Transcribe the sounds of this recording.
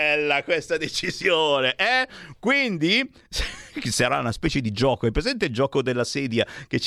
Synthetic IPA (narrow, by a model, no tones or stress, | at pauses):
ɛlːakwest̪ad̪et͡ʃizjoːneʔɛkwind̪i | ssaɾa̰unaspɛːt͡ʃed̪id͡ʒɔːkoɛpːɾezɛnt̪eild͡ʒɔːkod̪elːasɛːd̪jak̟et͡ʃ